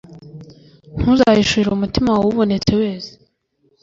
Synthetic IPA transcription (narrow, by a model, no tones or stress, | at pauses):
n̥huzajiʃuɾiɾumutimawuβo̞ne̞t͡se̞we̞ːse̥